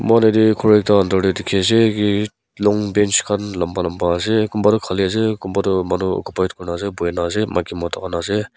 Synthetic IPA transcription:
manadikʰɔɾek̚daːndɔɾidikʰezeɡi | lɔŋbent͡ʃkʰanlambalambaːzeɡumbadɯkʰaliazeɡumbadɯmanuɔ̰kupajt̚kuɾnazebujenazemaɡimɔtʰakanaze

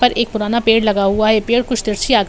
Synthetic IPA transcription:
pɐɾʔeːk̚pʊɾaːnapeːɽlɐɡaɦuaɦɛpeːɽkʊt͡ʃʰt̪ɪɾsiaːɡ

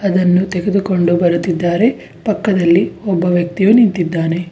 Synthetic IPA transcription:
ɐd̪ɐnːut̪eɡed̪uko̞ɳɖubɐɾut̪ːid̪ːaːɾe̞ | pɐkːɐd̪ɐlːiɔbːɐʋjɐk̚t̪ijunint̪id̪ːaːne̞

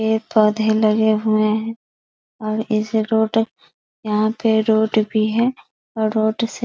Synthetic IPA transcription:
eːpɔːd̪ʱelɐɡeɦʊeɦɛ̃ | ɔːɾɪsɾoːʈ | jɐɦãpeɾoːʈbʱiɦɛː | ɔːɾɾːoːʈse

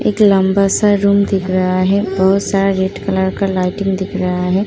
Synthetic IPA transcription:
ḛːklɐ̃mbasaɾuːmd̪ɪkʰɾɐɦaɦɛbɐɦʊt̪saːɾaɾeːʈkɐləɾkalaːɪʈɪ̃ŋɡd̪ɪkʰɾɐɦaɦɛː

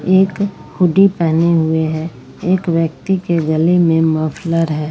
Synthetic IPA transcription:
eːkhʊɖipɛɦneɦʊeɦɛː | eːkʋjək̚t̪ikeɡəlimẽməfʰləɾɦɛː

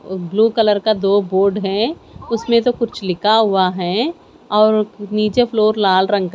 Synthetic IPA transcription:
bluːkɐləɾkad̪oːboːɾɖɦɛ̃ʊsmẽt̪okʊt͡ʃʰlɪkaɦʊaɦɛː | ɔːɾniːt͡ʃepʰloːɾlaːlɾɐ̃ŋɡk

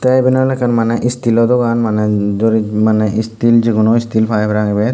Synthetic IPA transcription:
t̪ajbinɔlɛkanmanɛʔist̪ilɔd̪ɔkanmaned͡ʒoɾimaneʔist̪ild͡ʒekunoist̪ʰilpʰajbɾaɡbe

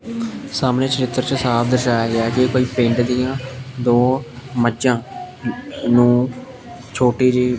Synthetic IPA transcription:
saːmneːt͡ʃəɾɪt̪ːəɾt͡ʃəsaːpʰd̪əʃaːjaːɡɛːkɪkoːiːpẽːɳɖd̪ɪjãːd̪oːməd͡ʒãː | nũː | t͡ʃʰoːʈiːɾiː

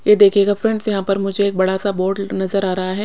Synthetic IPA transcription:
jed̪eːkʰeːɡafɾɛ̃ɳɖzjɐɦãpɐɾmʊd͡ʒʱeːk̚bɐɽasaboːɾɖnɐzəɾaːɾɐɦaɦɛː

